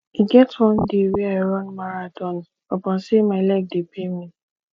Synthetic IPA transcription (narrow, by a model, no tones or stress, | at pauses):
iɡɛtwɔ̃n̩deɾiaɾɔnmaɾatɔn | ɔpɔ̃n̩semaɪlɛk̚depʰemĩ